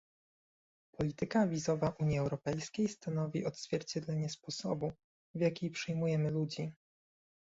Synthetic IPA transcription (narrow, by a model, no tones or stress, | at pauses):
pʰɔlʲit̪ɘkavʲizɔvaʔuɲiɛwɾɔpɛjskʲejst̪anɔvʲiʔɔd̪z̥vʲjɛɾt͡ɕɛd̪lɛɲɛspɔsɔbu | vjakʲijpʂɘjmujɛmɘlud͡ʑi